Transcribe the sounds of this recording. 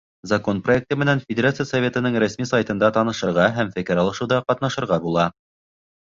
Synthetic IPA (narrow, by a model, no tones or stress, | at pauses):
zɐko̞nproek̚t̪ɤmɘ̆nænfʲɪdʲeɾat̪sɨjasɐvʲe̞t̪ɤ̆nɤɴɾæsmisɑjt̪ɤ̆nd̪ɑt̪ɑnɤ̆ʃɤ̆ɾʁɑɦæmfɘ̆kɘɾɑlˠɤ̆ʃɤ̆wðɑqɑt̪nɑʃɤ̆ɾʁɑbulˠɑ